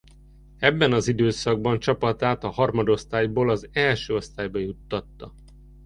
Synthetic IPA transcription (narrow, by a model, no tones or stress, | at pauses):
ɛbːɛnɒzid̪øːsɒɡ̚bɒnt͡ʃɒpɒt̪aːt̪ɒhɒrmɒd̪o̞st̪aːjboːlɒzɛlʃøːo̞st̪aːjbɒjut̪ːɒt̪ːɒ